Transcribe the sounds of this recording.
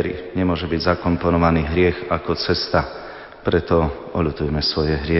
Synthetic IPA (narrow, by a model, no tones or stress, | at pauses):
ɾḭɲɛmʊɔʒɛbiɟzakɔmpɔnɔʋaniːɦɾɪɛxakɔt͡sɛst̪a | pɾɛt̪ɔ | ɔʎut̪ujɛmɛsʋɔjɛɦɾɪɛ